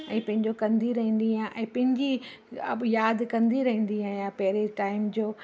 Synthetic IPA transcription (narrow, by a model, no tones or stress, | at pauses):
ɛ̃ːpɐ̃ɦɪ̃ɲd͡ʑokɐ̃nd̪iɾɐɦĩːnd̪iãʔɛ̃ːpɐ̃ɦɪ̃ɲd͡ʑiɐ̰bjaːd̪kɐ̃nd̪iɾɐɦĩːn̆d̪iaːijãpɐɦɪɾeʈaːɪmd͡ʑoː